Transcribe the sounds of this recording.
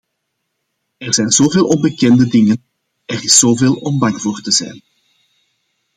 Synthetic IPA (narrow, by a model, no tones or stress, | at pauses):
ɛrz̥ɛjnz̥oːveːlˠɔnbəkɛndədɪŋən | ɛrɪszoːveːlˠɔmbɑŋv̥oːrtəzɛ̰jn